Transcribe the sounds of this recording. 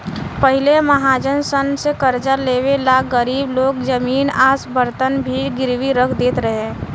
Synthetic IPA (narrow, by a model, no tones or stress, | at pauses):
pəɦɪleməɦaːd͡ʒənsənsekəɾd͡ʒəɾleːwelaːɡəɾiːbloːɡd͡ʒəmiːnaːsbəɾt̪ənbʱiɡɪɾwiɾəkʰd̪eːt̪ɾəɦeː